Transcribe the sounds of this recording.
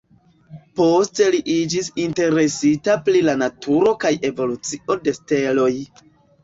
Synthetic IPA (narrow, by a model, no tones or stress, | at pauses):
po̞ste̞liʔid͡ʒisinte̞ɾe̞sitapɾilanatʰuɾo̞kaje̞vo̞lut͡siʔo̞de̞ste̞lo̞j